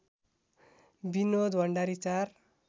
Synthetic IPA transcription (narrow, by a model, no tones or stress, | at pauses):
binod̪wʌɳɖaɾit͡sar